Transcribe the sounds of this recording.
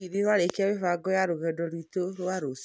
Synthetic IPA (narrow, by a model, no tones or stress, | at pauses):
iɾiɾwaɾekeawefaɡɔjaɾoɣɛdɔɾwitoɾoaɾos